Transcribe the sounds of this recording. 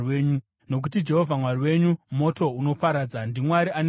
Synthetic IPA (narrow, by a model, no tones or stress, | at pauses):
weːɲu | no̞k̬ut̬id͡ʒe̞ɦovʱamwariwe̞ɲumo̞to̞uno̞paɾaːd͡zandimwaɾiʔan